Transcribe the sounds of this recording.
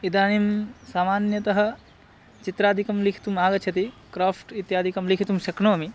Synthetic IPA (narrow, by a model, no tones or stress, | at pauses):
id̪aːnimsaːmaːnjɐt̪ɐɦɐ̆ | t͡ʃit̪ɾaːd̪ʱikɐmlikʰi̥t̪umaːɡɐt͡ʃʰɐt̪ikɾaːpʈit̪jaːd̪ʱikɐmlikʰit̪umʃɐkɳoːɐmi